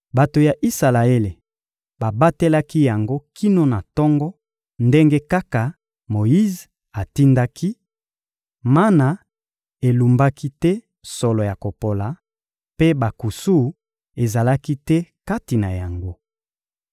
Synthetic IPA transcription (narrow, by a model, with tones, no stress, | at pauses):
ba˨to˨ja˨ʔi˦sa˨la˨e˦le˨ | ba˨ba˦te˦la˦ki˦ja˨ŋɡo˦kʰi˦no˦na˨tɔ˦ŋɡɔ˦ | nde˦ŋɡe˦ka˦ka˨ | mo˨ji˦z | a˨ti˦nda˦kʰi˦ | ma˦na˨ | e˨lu˨mba˦ki˦tɛ˦ | sɔ˨lɔ˨ja˨ko˨po˨la˨ | pe˦ba˨ku˨su˦ | e˨za˨la˦ki˦tɛ˦ka˦ti˨na˨ja˨ŋɡo˦